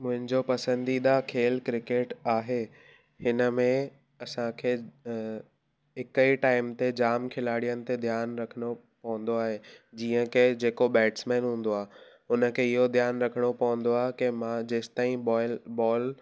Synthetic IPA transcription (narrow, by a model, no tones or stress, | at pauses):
mʊ̃ɦɪ̃nd͡ʑopɐsə̃nd̪iɗ̪akʰeːlkɾɪkeːʈaːɦe | hɪnə̆mẽ | ɐsãkʰeː | ɦɪkəiʈaːɪmt̪ed͡ʑaːmkʰɪlaːɽijənɪ̆t̪ed̪ʱjaːnɾɐkʰəɽ̃o | pɐʋə̃n̆d̪oaːɦed͡ʑiːə̃ked͡ʑeːkoɓɛːʈsmɛ̃ːnɦũːn̆d̪oaː | ʊnə̆kʰeːɪɦod̪ʱjaːnɾɐkʰəɽ̃opɐʋə̃n̆d̪oaːɦekemãd͡ʑeːst̪aːĩbɔːl